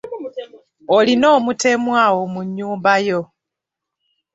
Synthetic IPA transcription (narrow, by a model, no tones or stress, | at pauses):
olino̞ːmute̞mwaːwo̞muɲːuːmbajo